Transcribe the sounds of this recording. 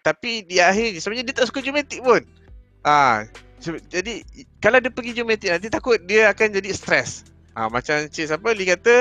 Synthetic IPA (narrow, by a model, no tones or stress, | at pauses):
t̪apidiaɦɪrisəbaɲadiət̪aʔsu̥kəd͡ʒumet̪ɪʔ̚pʊn | ʔa | səd͡ʒadikalawdiəpəɡid͡ʒumet̪ɪʔ̚nant̪̬it̪akʊt̪̚diəakand͡ʒadist̪ɾɛs | ʔa̰mat͡ʃamt͡ʃisapəlikat̪ə